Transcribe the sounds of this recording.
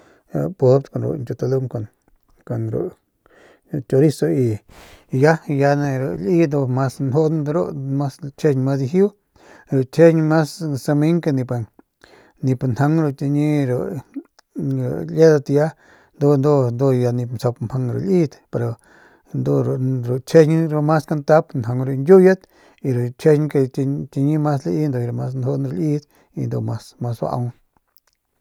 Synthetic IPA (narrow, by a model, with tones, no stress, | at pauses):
a̰˨po˧˦pt̪ko˨nɾo̰˨nt͡ʃo˧t̪a˧lu˦˧ŋko˧˨n | ko˨nɾo̰˨ʔ | t͡ʃo˧ɾi˦so˧i˧ | ja˦˧ja˧ne˧ɾo̰˨li˦d̪o˧ma˧snɦo˦ʔnd̪ɾo̰˦ma˦st͡ʃe˦˧ɲ˧ma˦˧si˧ɦu˦ | ɾo˨t͡ʃʰe˦ɲma˦ssa˧mi˦ŋka˧nĩ˧pa˧ | ni˧pa˧nha˧˦ŋɾo˧t̪ʲi˧ɲĩ˧ɾo˨ | ɾo̰˨le˦d̪a˧t̪ja˦ | nd̪o˧nd̪o˦nd̪o˧ja˧nĩ˧mso˧pmha˧ŋɾo̰˨li˦t̪pe˧ɾo˨ | nd̪o˧ɾɾo˨t͡ʃʰe˦ɲi˧ɾo˧mã˦ska˧nt̪a˦pnha˨˧ŋɾu˧ndʲu˦ja˦t̪ | i˧ɾu˨t͡ʃʰe˦ɲ˧ka˧t͡ʃi˧ɲĩ˦mã˦s̬le˧ʔi˦nd̪o˧jɾo˧˨ma˧snho˧nɾo˧li˦t̪ | i˧nd̪o˧ma˧sma˧swa̰˧ʔa̰˧w